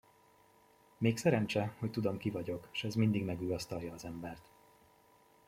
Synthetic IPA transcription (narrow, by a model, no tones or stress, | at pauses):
meːksɛɾɛnt͡ʃɛho̞ct̪ud̪o̞mkivɒɟo̞kʃɛzmind̪iɡmɛɡyjɒst̪ɒljɒːzɛmbɛrt̪